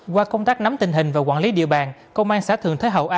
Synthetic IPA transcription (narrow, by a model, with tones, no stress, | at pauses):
kwaː˧kə˧wŋ͡mt̪aː˦˥k̚na˨˦mt̪ï˨˩ŋ̟ɦï˨˩ŋ̟vaː˨˩kwa̰ː˧˩nli˨˦ɗḭ˧˨əɓaː˨˩nkə˧wŋ͡mʔaː˧nsa̰ː˧˥t̪ʰɨ˨˩əŋt̪ʰeː˨˦ɦə̰˧˩wʔaː˨˧